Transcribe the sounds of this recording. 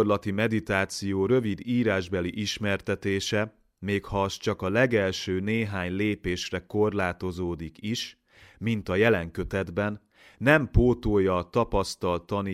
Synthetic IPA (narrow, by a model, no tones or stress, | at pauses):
rlɒt̪imɛd̪it̪aːt̪sijoːɾø̞vid̪iːɾaːʒbɛliʔiʃmɛrt̪ɛt̪eːʃɛ | meːkhɒːst͡ʃɒkɒlɛɡɛlʃøːneːɦaːɲleːpeːʃrɛko̞rlaːt̪o̞zoːd̪ikiʃ | mint̪ɒjɛlɛŋkø̞t̪ɛd̪bɛnː | ɛmpoːt̪oːjɒt̪ɒpɒst̪ɒlt̪ːɒni